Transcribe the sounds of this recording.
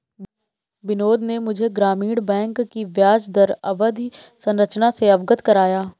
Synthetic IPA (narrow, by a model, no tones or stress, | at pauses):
bɪnoːd̪nemʊd͡ʒʱeɡɾaːmiːɽbɛ̃ːŋkːiʋjaːd͡ʒd̪əɾɐbəd̪ʱi | sə̃nɾət͡ʃnaseɐbɡət̪kəɾaːjaː